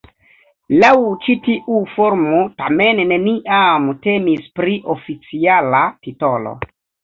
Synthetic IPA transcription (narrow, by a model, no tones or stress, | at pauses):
lawt͡ʃitiʔufo̞ɾmotame̞nːe̞niʔamte̞mispɾiʔofit͡sialatito̞lo̞̰